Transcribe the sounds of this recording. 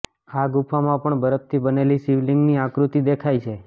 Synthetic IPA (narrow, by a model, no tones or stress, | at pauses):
aɡupʰamãpəɳbəɾəp̚t̪ʰibənelisiʋlɪŋɡniakɾut̪id̪ekʰajt͡ʃʰe